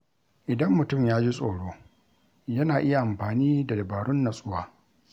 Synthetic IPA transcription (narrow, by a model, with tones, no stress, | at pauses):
ʔɪ˨dɐ˦mːʊ˨tʊ˦˨mjaː˦d͡ʒi˦sʼoː˨ɽoː˦ | jɐ˦naː˨ʔɪ˦ja˨ʔa˨mɸaː˨niː˦da˨dɐ˨baː˨ɽʊ˦nːa˨sʼʊ˦waː˨